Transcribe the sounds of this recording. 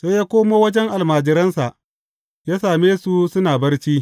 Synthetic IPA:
sa˦jaː˦kʷoː˦moː˦wɐ˦d͡ʒɛ˦ŋʔa˨lmaː˨d͡ʒɪ˨ɾɐ˦nsa˨ʔ | jaː˦saː˨meː˦su˨sʊ˦naː˨bɐ˦rt͡ʃiː˦

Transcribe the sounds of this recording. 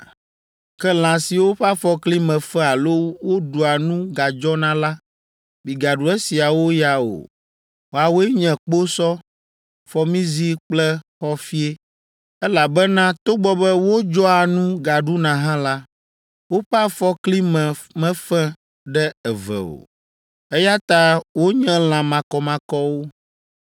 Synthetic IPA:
kɛ˦l̃ã˨si˨wo˦ɸa˦fɔ˦kli˦mɛ̃˨fɛ̃˦a˨lo˦wo˦ɖu˨a˨nũ˦ɡa˨d͡ʒɔ˦nã˦la˦ | bi˨ɡa˨ɖu˨ɛ˦si˨a˨wo˦ja˨o̰˨ | wo˨a˨wo˦ɛ˦ɲɛ̃˨k͡po˦sɔ˦ | fɔ˦mĩ˦zi˦k͡plɛ˦xɔ˦fi˦e˦ | ɛ˦la˨bɛ˦nã˦t̪o˦ɡ͡bɔ˦bɛ˦wo˦d͡ʒɔ˦a˨nũ˦ɡa˨ɖu˦nã˨ɦã˦la˦ | wo˦ɸa˦fɔ˦kli˦mɛ̃˨mɛ̃˦fɛ̃˦ | ɖɛ˦ɛ˨vɛ̰˨o̰˨ | ɛ˦ja˦t̪a˦wo˦ɲɛ̃˦l̃ã˨mã˨kɔ˨mã˨kɔ˦wo˦

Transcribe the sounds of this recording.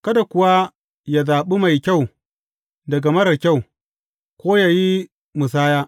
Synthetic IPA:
kɐ˦da˨kʷʊ˦wa˦ | jaː˨zaː˨ɓi˦ma˨jkʲa˦˨w | dɐ˨ɡa˨mɐ˦ɾɐ˨kʲa˦˨w | kʷoː˦jaː˨ji˦ | mʊ˨s̬aː˦jaː˦

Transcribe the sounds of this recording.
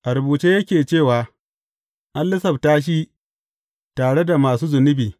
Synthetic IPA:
ʔa˨ɾʊ˨buː˨t͡ʃe˦jɐ˦kʲeː˨t͡ʃeː˦˨waː˨ | ʔa˦nlɪ˦sɐ˨btaː˦ʃ̬i˦ | taː˨ɽe˦da˨maː˨suː˦zʊ˨nʊ˦biː˨

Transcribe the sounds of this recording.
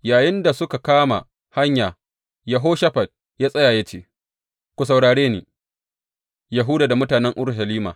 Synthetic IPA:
jaː˨jɪ˦nda˨sʊ˦ka˨kaː˦ma̰˨ | ha˦ɲjaː˨ | ja˨ɦoː˦ʃɐ˦ɸɐ˨d̚ | jaː˦sʼɐ˦jaː˨jɐ˦t͡ʃḛː˦˨ | kʷu˨s̬a˨wɽaː˨ɽeː˦nḛː˨ | ja˨ɦʊ˦daː˨da˨mʊ˦taː˨nɛ˦ŋʔʊ˦ɽʃɐ˨liː˦ma̰ː˨

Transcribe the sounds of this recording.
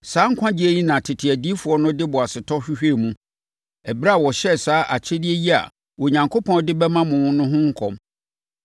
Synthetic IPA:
saː˨˦ŋ̩˦kʷʰã˦d͡ʑɪ˦æ˦ji˦nã˨tʰɪ˨tʰɪ˨æ˨di˦fu˨˦ɔ˦nʊ̃˦dɪ˦bʊ˨a˨sɪ˨tʰɔ˦ɕᶣi˦hᶣe˦˨mũ˦ | ɛ˨bɾa˦˨wɔ˨ɕɛ˦saː˨˦ʔa˨t͡ɕʰɛ˦dɪ˦e˦ji˦a̰˨ | wɔ˨ɲã˨ŋkʰo˦pʰɔ̃˦n˦dɪ˦bɛ˦mã˦mʊ̃˨ʊ̃˦nʊ̃˦ɦʊ̃˦ŋ̩˦kʰɔ̰̃˨m

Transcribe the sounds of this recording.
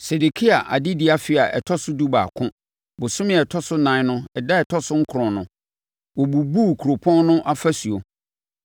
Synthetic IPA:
se˨du˨kʰi˦a˨ʔa̰˨dɪ˦dɪ˦a˨fɪ˦˨a˨ʔɛ̰˨tʰɔ˦sʊ˦du˦ba̰˨kʰʊ̃˦ | bʊ˨sʊ̃˦mɪ̃˨ɛ˨tʰɔ˦sʊ˦nã˨˦nʊ̃˦ɛ˨da˦ɛ˨tʰɔ˦sʊ˦ŋ̩˦kʰʊ˨ɾʊ̃˨nʊ̃˦ | wɔ˨bu˨bu˦kʰu˨ɾo˨pʰɔ̃˦n˦nʊ̃˦ʔa˦fa˦su˨o˨

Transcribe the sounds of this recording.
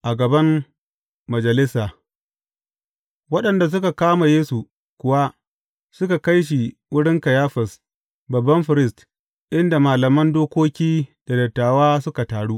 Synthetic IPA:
ʔa˨ɡɐ˨bɐ˦mː | ɐ˨d͡ʒɐ˨lɪ˦saː˨ | wɐ˦ɗɐ˨nda˨s̬ʊ˦ka˨kaː˦ma˨jeː˦su˨ | kʷʊ˨wa˦ | sʊ˦ka˨ka˦jʃ̬i˨ | wʊ˦ɽɪ˦ŋkɐ˨jaː˦ɸɐ˨s | bɐ˨bːɐ˦mɸɪ˨ɾɪ˦st | ʔɪ˦nda˨maː˨lɐ˨mɐ˦ndoː˦kʷoː˦kʲiː˦d̥a˨dɐ˨tːaː˨waː˦sʊ˦ka˨taː˨ɽu˦ʔ

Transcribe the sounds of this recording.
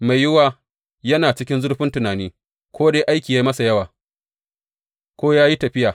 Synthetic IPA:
ma˨jːʊ˦waː˨ | jɐ˦naː˨t͡ʃɪ˦kʲɪ˦nzʊ˦rɸɪ˦ntʊ˨naː˨niː˦ | kʷoː˦deː˦ʔa˦jkʲiː˨ja˦mɐ˦sa˨jɐ˦waː˨ | kʷoː˦jaː˦ji˦tɐ˨ɸɪ˦jaː˨

